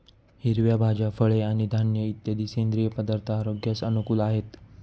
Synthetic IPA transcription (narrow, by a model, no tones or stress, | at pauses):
hiɾʋjabʱad͡ʑafəɭeaɽ̃id̪ʱanjəit̪jəd̪iːskend̪ɾijəpəd̪əɾt̪ʰaːɾoɡjasənukuːlaɦet̪